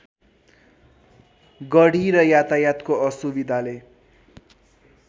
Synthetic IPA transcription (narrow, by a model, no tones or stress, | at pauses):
ɡʌɽiɾʌjat̪ajat̪koʌsubid̪ʱale